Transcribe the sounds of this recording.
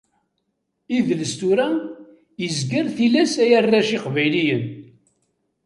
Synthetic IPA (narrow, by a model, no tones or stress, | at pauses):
iðləst̪uɾæ | jəzɡəɾθilæsæjərːaʃiqvæjlijən